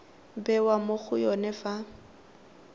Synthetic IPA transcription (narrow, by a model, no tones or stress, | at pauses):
bɛwamok͡xʊjɔnɛfa